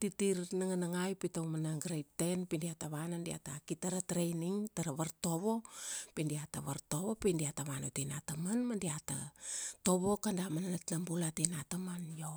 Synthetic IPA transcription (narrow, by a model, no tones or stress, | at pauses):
titiɾnaŋanaŋajpitowmanaɡɾej̚te̞npindiataβanandia̰takitaɾatɾejniŋtaɾaβaɾto̞βo̞pindiataβaɾto̞βo̞pindiataβanotinatamanmandiata̰to̞βo̞kandamananatnambulatenatamanjo